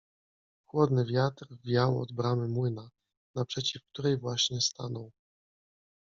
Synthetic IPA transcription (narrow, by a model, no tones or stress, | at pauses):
xwɔd̪nɘvʲjat̪ɾvʲjawɔ̰d̪bɾamɘmwɘna | napʂɛt͡ɕifk̚t̪uɾɛjvwaɕɲɛst̪anɔw